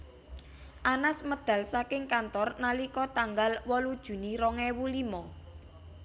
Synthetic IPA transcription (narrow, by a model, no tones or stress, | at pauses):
ʔanasməd̪̥ä̤lsakɪŋkant̪ɔrnalikɔt̪aŋɡalwɔlud̥ʒ̥ṳniɾɔŋɛwulimɔ